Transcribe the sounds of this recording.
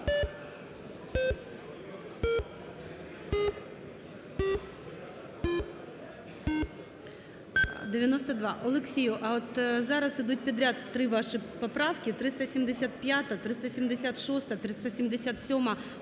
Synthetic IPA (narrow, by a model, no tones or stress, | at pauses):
d̪ɪʋʲjɐnɔst̪ɐd̪ʋɑʔɔlˠɪksʲijʊʔɐɔt̪zɑɾɐsɪd̪ut̚ʲpʲid̪ɾʲat̪ːɾɪʋɑʂɨpɐpɾɑwkʲɪt̪ɾɪst̪ɐsʲimd̪ɪsʲat̪̚pʲjat̪ɐt̪ɾɨɪst̪ɐsʲimd̪ɪsʲat̪ʂɔst̪ɐt̪ɾɨst̪ɐsʲimd̪ɪsʲat̪sʲɔmɐ